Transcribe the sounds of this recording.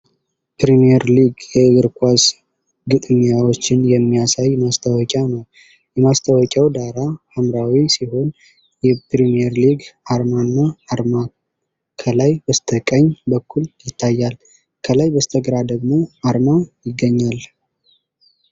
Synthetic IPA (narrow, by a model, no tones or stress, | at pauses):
pɾimiɛɾliɡjɛɡɨɾkʷʰʼaz | ɡɨt̪ʼɲawot͡ʃːɪnjɛmːijasajmast̪ʰəwɔkʼanəw | jɛmast̪ʰəwɔkʼawd̪aɾahamɾawisiho̞n | jɛpɾimijɛɾliɡaɾmanːaːɾma | kʰəlajbəst̪ʰəkʼəɲːbəkːuljɪt̪ʰːajːal | kʰəlajbəst̪ʰəɡɾad̪əɡmo̞aɾmajɪɡːəɲːal